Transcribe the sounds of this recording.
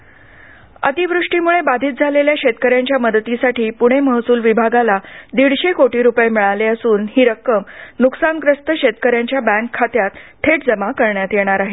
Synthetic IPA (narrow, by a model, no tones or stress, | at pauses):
ə̰t̪iʋɾuʂʈiːmuɭebad̪ʱiːt̪̚d͡zʱaleljaɕet̪kəɾjãɲt͡ɕjaməd̪t̪isaʈʰiːpuɽ̃eməɦsuːlʋibʱaɡalad̪iɽɕekoʈiːɾupəjemiɭaleəsuːnɦiːɾəkːəmnuksankɾəst̪əɕet̪kəɾjãɲt͡ɕjabæ̃ŋkʰːat̪jat̪t̪ʰːeʈd͡zəmakəɾɳjat̪jeɽ̃aɾaɦe